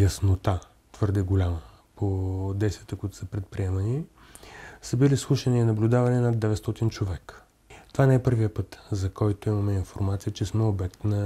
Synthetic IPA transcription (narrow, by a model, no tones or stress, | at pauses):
jəsnot̪a | t̪vɤɾd̪ɛɡolʲamə | pʰod̪ɛjst̪vʲjət̪əkuit̪ʊ̥səpɾɛt̪̚pɾiɛmɐni | səbilislˠuʃəniːnɐblʲʊd̪avɐninad̪ːɛvɛt̪st̪ɔt̪int͡ʃovɛkə̥ | t̪ovanɛɛpɤɾvijəpɤt̪zɐkɔjt̪oimɐmɛinfo̰ɾmat̪sijət͡ʃɛsmɛobɛk̚t̪nə